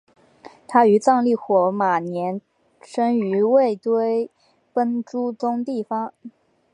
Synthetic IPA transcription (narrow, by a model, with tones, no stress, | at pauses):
t̪ʰa˥y˧˥t͡sɑ˥˧ŋli˥˩xwɔ˨˧˥ma˨˩njɛ˧˥n | ʂə˥ŋy˧˥we˥˩ɪt̪we˥ɪ | pə˥nʈ͡ʂu˥t͡sʊ˥ŋt̪i˥˩fɑ˧˥ŋ